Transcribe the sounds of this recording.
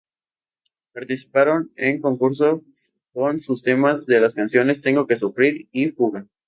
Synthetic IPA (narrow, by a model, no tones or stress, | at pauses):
paɾt̪isi̥paɾo̞ne̞ŋko̞ŋkuɾs̬o̞ | ko̞nsust̪e̞mazðe̞laskansjo̞ne̞st̪e̞ŋɡo̞ke̞sufɾiɾifuɣa